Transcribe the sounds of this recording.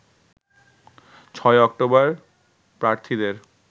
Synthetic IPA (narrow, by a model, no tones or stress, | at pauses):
t͡ɕʰɔeɔk̚ʈobaɾ | pɾaɾt̪ʰid̪eɾ